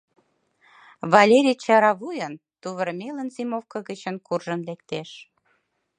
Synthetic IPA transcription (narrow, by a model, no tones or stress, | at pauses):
βɑlʲeɾʲijt͡ɕɑɾɑβujən | t̪uβəɾmelənzimofkə̆ɣət͡ɕənkurʒənlekt̪eʃ